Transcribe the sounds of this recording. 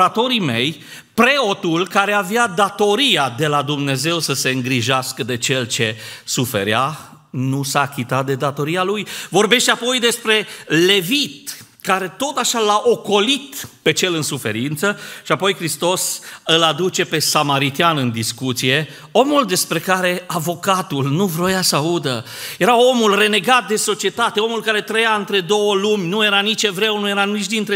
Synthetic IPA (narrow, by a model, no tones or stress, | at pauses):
at̪o̞ɾime̞j | pɾe̞o̞t̪ulkaɾe̞avjad̪at̪o̞ɾiad̪e̞lad̪umne̞ze̞wsəse̞ɨŋɡɾiʒaskəd̪e̞t͡ʃe̞lt͡ʃe̞sufe̞̰ɾja | nusaːkʲit̪at̪̚d̪e̞d̪at̪o̞ɾialujvo̞rbe̞ʃt̪eapo̞jd̪e̞spɾe̞le̞vit̪ | kaɾe̞t̪o̞t̪aʃalaʔo̞ko̞lit̪pe̞t͡ʃe̞lɨnsufe̞̰ɾint̪səʃiapo̞jkɾist̪o̞sɨlad̪ut͡ʃe̞pe̞samaɾit̪ianɨnd̪iskut̪sije̞ | o̞muld̪e̞spɾe̞kaɾe̞avo̞kat̪ulnuvɾojasəaud̪ə̰ | je̞ɾao̞mulre̞ne̞ɡat̪̚d̪e̞so̞t͡ʃiet̪at̪eo̞mulkaɾe̞t̪ɾəjaɨnt̪ɾe̞d̪o̞wəlumʲnuje̞ɾanit͡ʃevɾe̞wnuje̞ɾanit͡ʃʲd̪int̪ɾe